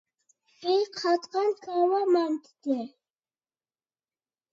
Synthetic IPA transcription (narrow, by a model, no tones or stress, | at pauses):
iqʰat̪ʼqʼankʼawamant̪ʰd̪ɛ